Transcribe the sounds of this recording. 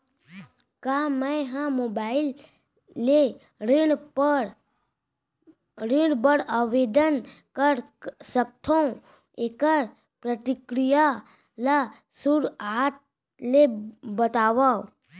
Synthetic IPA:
kamə̃ɦãmoːbaːɪlː | e | ɾɪɽbəɾəʋeːd̪ənkəɾsək̚t̪ʰõ | eːkəɾ | pɾət̪ɪkɾija | la | suɾat̪̚ | lebət̪aːʋa

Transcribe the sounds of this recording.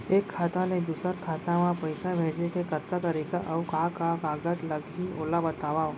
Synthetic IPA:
eːkʰːaːt̪ãnẽd̪uːsəɾkʰaːt̪amãpɐɪsabʱeːd͡ʒekekɐt̪kat̪ɐɾiːkaʔɐʋkakakaːɡət̪lɐɡioːlabɐt̪aːʋao

